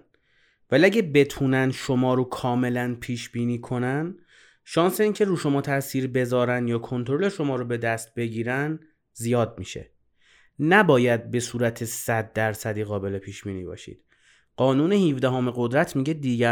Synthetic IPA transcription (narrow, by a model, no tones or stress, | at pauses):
væliæɟæbe̞t̪ʰuːnænʃomɒːɾokʰɒːme̞lænpʰiːʃbiːniːkʰo̞næn | ʃɒːnse̞iːŋcʰe̞ɾuːʃo̞mɒːt̪ʰæsiːɾbe̞zɒːɾænd̪jɒːkʰo̞nt̪ʰoɾoleʃo̞mɒːɾobe̞d̪æst̪̚be̞ɟiːɾæn | zijɒːd̪̚miːʃe̞̰ | næbɒːjæd̪̚be̞suːɾæt̪ʰe̞sæd̪ːæɾsæd̪iːɣɒːbe̞le̞pʰiːʃb̥iːniːbɒ̰ːʃḭːd̪̥ | ɢ̥ɒːnuːne̞hiːvd̪æɦoːmeɣod̪ɾæt̪ʰmiɟe̞d̪iːɟæ